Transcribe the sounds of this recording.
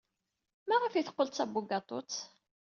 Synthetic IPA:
mæʁəfjiθə̥qːəlt̪t͡sæbːuɡɑt̪ˤo̰t͡sː

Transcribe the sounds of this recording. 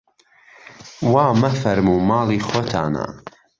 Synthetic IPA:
waːmɐfɐɾmuːmɑːlˠiːχxot̪ʰa̰ːna̰

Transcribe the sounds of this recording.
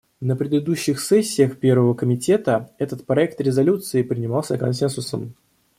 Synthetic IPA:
nəpɾʲɪd̪ɨd̪uɕːɪxsɛsʲːɪəxpʲe̞rvəvəkəmʲɪtʲe̞t̪əɛt̪ət̪pɾɐɛk̚t̪ɾʲɪzɐlʲut̪sɨɪpɾʲɪnʲɪmɑlˠsʲəkɐ̰nsʲɛnsʊsə̰m

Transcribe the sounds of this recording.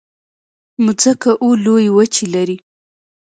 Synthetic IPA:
mud͡zəkaʔulojwət͡ʃilaɾi

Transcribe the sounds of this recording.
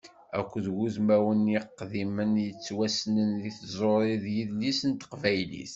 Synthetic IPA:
æ̰kʷːðɡuzmæwənjɪqːðimənjət͡sːwæsnənðiθzˤoɾˤiðjiðlisənt̪qvæjlḭθ

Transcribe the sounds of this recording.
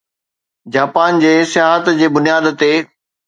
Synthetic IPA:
d͡ʑaːpaːnd͡ʑeːsɪjaːɦət̪d͡ʑeːbʊnijaːd̪t̪eː

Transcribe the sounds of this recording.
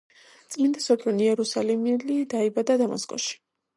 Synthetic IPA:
t̪sʼmind̪asɔpʰʼluniɛɾusalɛmilid̪aibad̪ad̪ama̰skʼɔ̰ʃi̥

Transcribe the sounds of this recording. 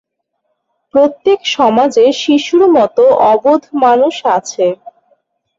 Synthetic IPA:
pɾot̪ːekʃɔmad͡ʑeʃiʃuɾmɔt̪oʔɔbod̪ʱmanuʃat͡ɕʰe

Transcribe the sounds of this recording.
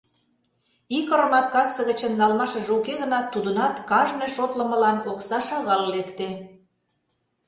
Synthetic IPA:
ikəɾə̆mɑt̪̚kɑsə̆ɣə̆t͡ɕə̆nːɑlmɑʃə̆ʒukeɣə̆nɑt̪ːud̪ənɑt̪kɑʒnejʃot̪lə̆mə̆lɑnoksɑʃɑɣɑlːekt̪e

